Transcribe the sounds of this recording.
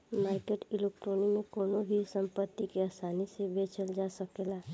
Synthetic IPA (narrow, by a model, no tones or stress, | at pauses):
maːɾkeʈɪleːk̚ʈɾoːnimẽkoːnobʱisə̃mpət̪ːikeasaːnisebeːt͡ʃəld͡ʒaːsəkeːlaː